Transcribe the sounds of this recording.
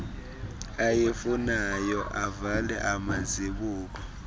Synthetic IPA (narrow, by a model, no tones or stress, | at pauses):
ajefunajɔʔavalɛ̰ʔamaziɓuːk̬ɔ